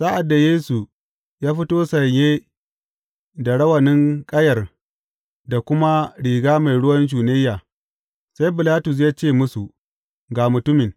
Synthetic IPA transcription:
sa˦ʔa˨dːa˨jeː˦su˨ | jaː˦ɸɪ˦toː˦sɐ˨ɲjeː˦ | da˨ɽɐ˦wɐ˨nɪ˦ŋkʼɐ˦jɐ˨r | da˨kʷʊ˦ma˦ɽiː˨ɡaː˦ma˨jɽʊ˦wɐ˦nʒuː˨ne˦jːaː˨ | sa˦jbɪ˨laː˦tʊ˨s̬jaː˦t͡ʃeː˦˨mʊ˦su˨ | ɡaː˨mʊ˨tʊ˦mɪ˨ŋ

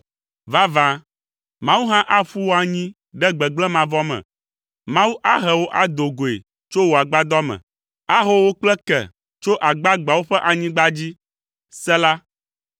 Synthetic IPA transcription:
va˦vã˨ | mã˦wu˦ɦã˦ʔa˦ɸu˦wo˦a˨ɲĩ˦ | ɖɛ˦ɡ͡bɛ˨ɡ͡blɛ˦mã˨vɔ˦mɛ̰̃˨ | mã˦wu˦ʔa˦ɦɛ˨wo˦ʔa˨d̪o˨ɡo˨ḛ˨ | t͡ʃo˦wo˨a˨ɡ͡ba˦d̪ɔ˦mɛ̰̃˨ | a˦ɦo˦wo˦k͡plɛ˦kɛ̰˨ | t͡ʃo˦ʔa˨ɡ͡ba˦ɡ͡ba˨wo˦ɸɛ˦ʔa˨ɲĩ˦ɡ͡ba˦d͡ʑi˦ | sɛ˦la˦

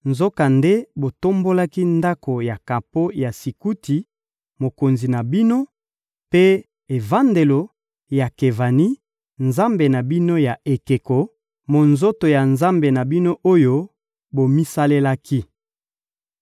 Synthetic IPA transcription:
nzo˦ka˨nde˦bo˨to˦mbo˦la˦ki˦nda˦ko˨ja˨ka˨po˦ja˨si˨ku˦ti˨ | mo˨ko˨nzi˨na˨bi˦no˦ | pe˦ | e˨va˦nde˨lo˨ | ja˨ke˨va˨ni˦ | nza˦mbe˨na˨bi˦no˦ja˨ʔe˨ke˨ko˨ | mo˨nzo˦to˨ja˨nza˦mbe˨na˨bi˦no˦ʔo˦jo˦ | bo˨mi˦sa˦le˦la˦kʰi˦

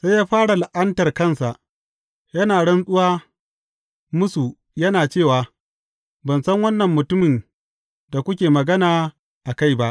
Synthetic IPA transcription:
sa˦jaː˦ɸaː˦ɽa˨lɪ˨ʔɐ˦ntɐ˨rkɐ˦˨nsa˨ʔ | jɐ˦naː˨ɽɐ˦nsʼʊ˦waː˦ | mʊ˦su˨ | jɐ˦naː˨t͡ʃeː˦˨waː˨ | bɐ˨nsɐ˦ŋwɐ˦nːɐ˨mːʊ˨tʊ˦mɪ˨n | da˨kʷʊ˦kʲeː˨mɐ˨ɡɐ˦naː˨ | ʔa˨ka˦˨jba˦ʔ

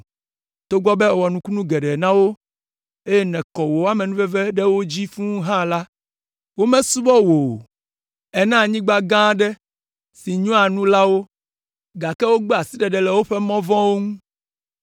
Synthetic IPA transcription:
t̪o˦ɡ͡bɔ˦bɛ˦˨wɔ˨nũ˨ku˦nũ˦ɡɛ˨ɖɛ˨nã˦wo˦ | e˦jɛ˦nɛ̃˨kɔ˨wo˨˦a˦mɛ˨nũ˦vɛ˦vɛ˦ɖɛ˦wo˦d͡ʑi˦fũ˦ɦã˦la˦ | wo˦mɛ̃˦su˦bɔ˦wo˨ | ɛ˦nã˦˨ɲĩ˦ɡ͡ba˦ɡã˦ɖɛ˦ | si˨ɲũ˦a˨nũ˦la˦wo˦ | ɡa˨kɛ˦wo˦ɡ͡be˦a˨si˦ɖɛ˨ɖɛ˨lɛ˨wo˦ɸɛ˦mɔ̃˦vɔ̃˦wo˦ŋũ˦

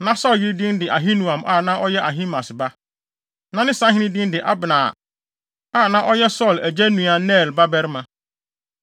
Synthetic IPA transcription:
nã˦sɔ˦˨ljɪ˦ɾdĩ˦ndɪ˨ʔa˨ɦĩ˦nũ˨ã˨mʔa˦˨nã˦ʔɔ˦jɛ˦ʔa˨ɦĩ˦mã˨sba˦ | nã˦nɪ̃˦sã˦ɦɪ̃˦nĩ˦dĩ˦ndɪ˨ʔa˦bnã̰˨ | a˦˨nã˦ʔɔ˦jɛ˦sɔ˦˨læ˨d͡ʑɛ˦nũ˨a˨nɛː˦˨lba˦bɛ˦ɾmã˨

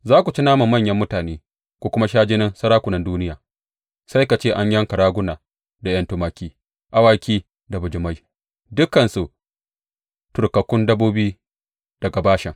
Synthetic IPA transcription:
zaː˦kʷu˨t͡ʃi˦naː˦ma˨mːɐ˦˨ɲjɐ˦mːʊ˦taː˨neː˦ | kʷoː˦kʷʊ˦ma˦ʃaː˦d͡ʒɪ˦nɪ˦nsɐ˦ɾaː˦kʷʊ˨nɐ˦nduː˦nɪ˦jaː˨ | sa˦jka˨t͡ʃeː˦˨ʔa˦ɲjɐ˦ŋkɐ˨ɽaː˦ɡʷʊ˦naː˨ | da˨jɐ˦ntʊ˦maː˦kʲiː˦ | ʔa˦waː˦kʲiː˦ | da˨bʊ˨d͡ʒɪ˨ma˦j | dʊ˦kːɐ˨nsu˨ | tʊ˨rkɐ˨kʷʊ˦ndɐ˦boː˦biː˦ | d̥ɐ˨ɡa˨baː˦ʃɛ˨ŋ

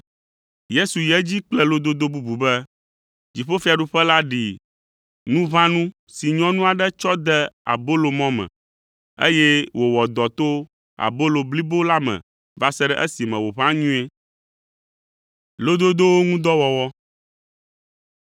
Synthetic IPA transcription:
je˦su˨jɛ˦d͡ʑi˦k͡plɛ˦lo˦d̪o˦d̪o˦bu˦bu˨bɛ˦ | d͡ʑi˨ɸo˦fi˦a˨ɖu˦ɸɛ˦la˦ɖi˨ | nũ˦βã˦nũ˦ | si˨ɲɔ̃˦nũ˦a˨ɖɛ˦t͡ʃɔ˦d̪ɛ˦a̰˨bo˦lo˨mɔ̃˦mɛ̰̃˨ | ḛ˦jɛ˦wʔo˨wɔ˨d̪ɔ˨t̪o˦ | a̰˨bo˦lo˨bli˦bo˦la˦mɛ̰̃˨ | va˦sɛ˦ɖɛ̰˦ʔɛ˦si˨mɛ̰̃˨wo˨βã˦ɲũ˦e˦ | lo˦d̪o˦d̪o˦wo˦ŋũ˦d̪ɔ˦wɔ˨wɔ˦

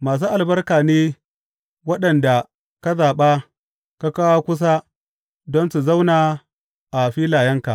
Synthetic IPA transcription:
maː˨s̬uː˦ʔa˨lbɐ˦rkaː˨neː˦ | wɐ˦ɗɐ˨nda˨ | ka˦zaː˨ɓa˦ | ka˦kaː˦wa˦kʷʊ˦s̬a˦ | dɔ˦nsu˨za˦wnaː˨ | ʔa˨ɸiː˦laː˨jɐ˦ŋka˨ʔ

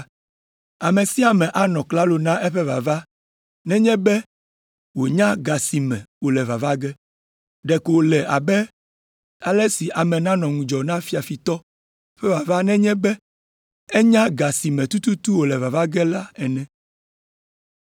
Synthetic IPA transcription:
a˨mẽ˨si˦a˨mɛ̃˨ʔa˨nɔ̃˨kla˦lo˨nã˦ʔɛ˦ɸɛ˦va̰˨va˦ | nɛ̃˦ɲɛ̃˦bɛ˦ | wo˨ɲã˦ɡa˨si˨mɛ̰̃˨wo˨lɛ˨va˨va˦ɡɛ˦ | ɖɛ˨ko˨o˨lɛ˨ʔa˨bɛ˦ | a˨lɛ˦si˨ʔa˨mɛ̃˨nã˦nɔ̃˨ŋũ˨d͡ʒɔ˨nã˦fi˨a˨fi˨t̪ɔ˦ | ɸɛ˦va˨va˦nɛ̃˦ɲɛ̃˦bɛ˦ | ɛ˦ɲã˦ɡa˨si˨mɛ̃˨t̪u˦t̪u˦t̪u˦wo˨lɛ˨va˨va˦ɡɛ˦la˦ɛ˨nɛ̃˦

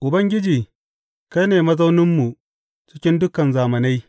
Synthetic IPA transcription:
ʔʊ˨bɐ˦ŋɡʲɪ˦d͡ʒiː˨ | ka˦neː˨mɐ˦za˦wnɪ˦mːu˨ | t͡ʃɪ˦kʲɪ˦ndʊ˦kɐ˨nzaː˨mɐ˨na˦j

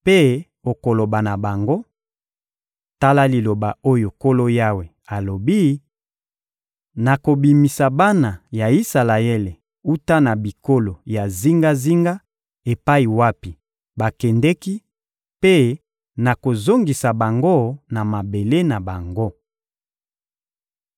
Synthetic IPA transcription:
pe˦ | o˨ko˨lo˨ba˨na˨ba˨ŋɡo˦ | ta˦la˦li˨lo˨ba˨o˦jo˨ko˦lo˦ja˦we˨ | a˨lo˨bi˦ | na˨ko˨bi˨mi˨sa˨ba˦na˨ja˨i˦sa˨la˨ɛ˦le˨ | u˦ta˦na˨bi˨ko˦lo˨ja˨zi˦ŋɡa˦zi˦ŋɡa˦ | e˨pa˦i˨wa˦pi˨ | ba˨kɛ˨ndɛ˦ki˦ | pe˦ | na˨ko˨zo˦ŋɡi˨sa˨ba˨ŋɡo˦na˨ma˨be˨le˦na˨ba˨ŋɡo˦

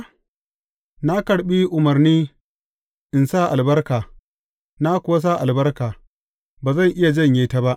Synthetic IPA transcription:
na˦kɐ˨ɽɓi˦ʔʊ˨mɐ˨rniː˦ | ʔɪ˨nsa˦˨ʔa˨lbɐ˦rkaː˨ | na˦kʷʊ˨wa˦s̬aː˦˨ʔa˨lbɐ˦rkaː˨ | baː˨zɐ˦˨ŋʔɪ˦ja˨d͡ʒɐ˦˨ɲjeː˨˦ta˦ba˦ʔ

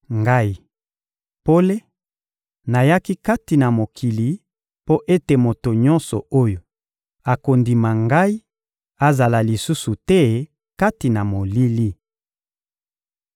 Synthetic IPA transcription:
ŋɡa˦i˦ | po˦le˦ | na˨ja˦ki˦ka˦ti˨na˨mo˨kʰi˨li˨˦ | po˦ʔe˦te˨mo˨to˨ɲɔ̃˦nsɔ˨o˦jo˨ | a˨ko˨ndi˨ma˨ŋɡa˦i˦ | a˨za˨la˨li˨su˦su˨tɛ˦ | ka˦ti˨na˨mo˨li˦li˦

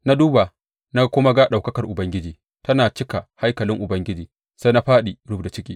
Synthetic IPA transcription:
na˦duː˦ba˨ | na˦kʷʊ˦ma˦ɡa˦ɗa˨wkɐ˦kɐ˨rʔʊ˨bɐ˦ŋɡʲɪ˦d͡ʒiː˨ | tɐ˦naː˨t͡ʃɪ˦ka˨ha˦jkɐ˨lɪ˦ŋʔʊ˨bɐ˦ŋɡʲɪ˦d͡ʒiː˨ | sa˦jna˦ɸaː˦ɗi˨ɽʊ˦bda˨t͡ʃɪ˦kʲiː˦

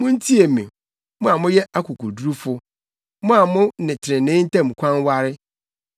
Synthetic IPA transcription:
mʊ̃˦n̩˦tʰi˦e˨mḭ̃˨ | mʊ̃˦a˨mʊ̃˦jɛ˦a˦kʰʊ˨kʰʊ̰˨du˦ɾu˦fʊ˦ | mʊ̃˦a˨mʊ̃˦nɪ̃˨tʰɪ˨ɪ̃˨nɪ̃˦n̩˦tʰã˦mũ˨kʷʰã˦n˦wa˦ɾɪ˦

